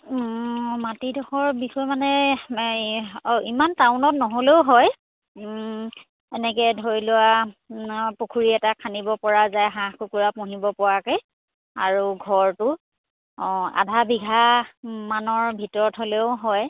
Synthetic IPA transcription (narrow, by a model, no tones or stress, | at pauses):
matidʱɔxɔɹbixɔjmanɛ | imantaʊnɔt̚nɔɦoleʊɦɔj | ɛnɛkɛdʱoɹilʊwa | pokʰuɹiɛtakʰanibɔpɔɹazajɦãxkukuɹapʊɦibɔpɔɹakej | a̰ɹuɡʱɔɹtʊ | a̰dʱabiɡʱamanɔɹbʱitɔɹɔtɦoleʊɦɔj